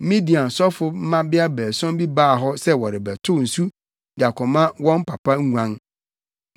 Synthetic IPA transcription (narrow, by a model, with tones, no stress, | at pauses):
mĩ˦di˨ã˨n˨sɔ˦fʊ˦m̩˦mã˦bɪ˦a˦bɛː˨sɔ̃˦mbi˦baː˦˨ɦɔ˦sɛ˦wɔ˨ɾɪ˨bɛ˨tʰʊ˦n̩˨su˦ | dɪ˨a˨kʰɔ̃˨mã˦wɔ̃˦m˦pʰa˨pʰa˦ŋ˦ŋʷ˨ã˦ŋ